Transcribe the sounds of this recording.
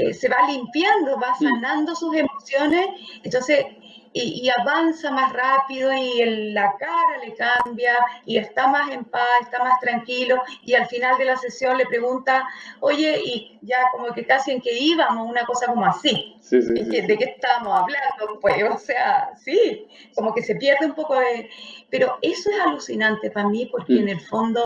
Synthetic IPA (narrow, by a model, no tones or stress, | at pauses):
ḛse̞βalimpjand̪oβasanand̪osuse̞mo̞sjo̞nesent̪o̞nses | iːaβansamasrapiðoielːakaɾalekambjaiest̪amase̞mpasest̪amast̪ɾaŋkilo̞ialfinald̪e̞lasesjo̞nle̞pɾe̞ɣunt̪ao̞ʝe̞i | ʝakomokekasie̞ŋke̞iβamosunako̞sako̞moasiseŋked̪ekeht̪amosaβland̪opweoseasi | komo̞ke̞se̞pjeɾðeumpo̞koðepeɾo̞e̞soesalusinant̪e̞pamipo̞ɾkeːnelfo̞nd̪o